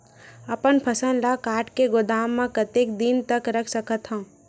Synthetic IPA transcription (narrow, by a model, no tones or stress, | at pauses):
ɐpənpʰɐsə̃nlakaːʈkeɡʊd̪aːmːãkət̪eːk̚d̪int̪əkɾəkʰsəkət̪ɦã